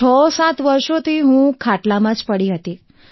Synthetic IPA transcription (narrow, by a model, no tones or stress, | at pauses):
ɔsat̪ʋəɾʃot̪ʰiɦũkʰaʈlamãd͡ʒpəɽiɦət̪i